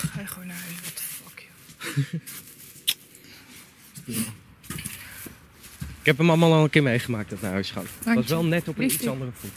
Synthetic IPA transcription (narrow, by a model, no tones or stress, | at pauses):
ajχʋonaaʋɔtfɔkj | ɪkɦɛpəmɑlˠmaːlˠɑlˠəŋkɪːɹmejχəmaːk̚tdɑtnaɦœɥsχa̰ʋɑsʋɛlˠnɛtɔpəitsɑndərəfu